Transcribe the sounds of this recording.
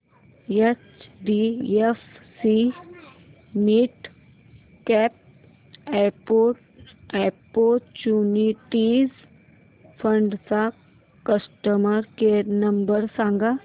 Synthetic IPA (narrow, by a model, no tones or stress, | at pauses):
et͡ʃɖiefsi | niʈ | kɛːp̚ | eɾpoːʈ | eɾpoːt͡ʃuːniʈiz | pʰə̃ɳɖt͡sa | kəsʈəməɾkeːɾnɐmbəɾsãːŋɡa